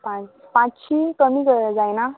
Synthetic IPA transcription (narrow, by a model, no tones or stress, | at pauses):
pã | pãt͡sɕiːkəmiːɡəd͡zajna